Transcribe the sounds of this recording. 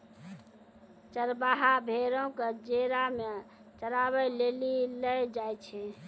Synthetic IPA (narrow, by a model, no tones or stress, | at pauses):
t͡ʃəɾbaɦabʱeɾõked͡ʒeɾamet͡ʃəɾaβɛleliləjd͡ʒajt͡ʃʰɛ